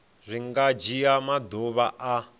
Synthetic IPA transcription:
zʷiŋɡad͡ʒijamad̪oβaʔa

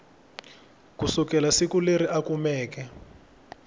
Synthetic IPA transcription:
kusukɛlasikuleɾiakumɛːk̬ɛ

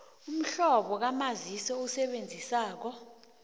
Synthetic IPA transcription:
um̩ɬɔɓɔk̬amazisɔusɛɓend͡zʱisaːk̬ɔ

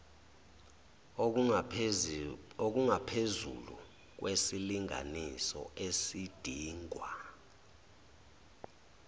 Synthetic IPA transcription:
ok̬uŋapʰezṵlṵ | k̬wʔesiliŋʱa̰nisɔ̰ʔesid̥ʱiːŋʱwa

